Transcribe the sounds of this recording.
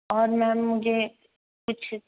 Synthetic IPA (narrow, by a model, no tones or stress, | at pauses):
ɔːɾmɛ̃mʊd͡ʒʱe | kʊt͡ʃʰ